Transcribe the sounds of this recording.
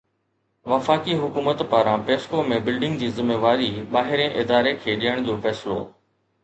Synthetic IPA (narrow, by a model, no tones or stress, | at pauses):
ʋɐfaːkiɦʊkuːmət̪paːɾãpeːskomẽbɪlɖɪ̃ŋɡd͡ʑiːzɪmeːʋaːɾiɓaːɦɪɾẽʔɪd̪aːɾekʰeːɗijəɽ̃d͡ʑofɛːsɪlo̰ː